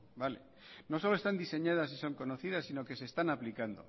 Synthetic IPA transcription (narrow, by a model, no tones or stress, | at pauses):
bale̞̰ | no̞so̞loe̞st̪and̪ise̞ɲaðas̬iso̞ŋko̞no̞θiðasino̞ke̞se̞ːst̪anaplikand̪o̞̰